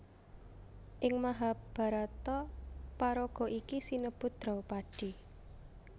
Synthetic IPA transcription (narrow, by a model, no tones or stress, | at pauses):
ʔɪŋmaɦab̥a̤ɾat̪ɔpaɾɔɡ̥ɔ̤ʔikisinəb̥ʊ̤t̪̚d̪̥ɾɔwpaɖ̥i̤